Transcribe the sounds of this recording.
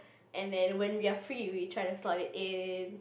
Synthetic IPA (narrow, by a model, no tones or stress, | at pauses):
ʔɛ̃ndɛ̃nwɛ̃nwiafɹiwitʰɹ̥aɪ̃tuslaɾɪtɪn